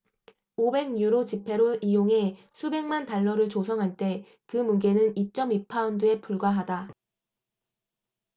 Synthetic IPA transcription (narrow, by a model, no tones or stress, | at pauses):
obe̞ɡɲuɾot͡ɕipʰe̞ɾoijoŋɦe̞ | sʰube̞ŋmantaɭːʌɾɯɭt͡ɕosʰʌŋɦaɭt͈e̞ | kɯmuɡe̞nɯnit͡ɕ͈ʌmipʰaundɯe̞p͈ʰuɭɡwaɦada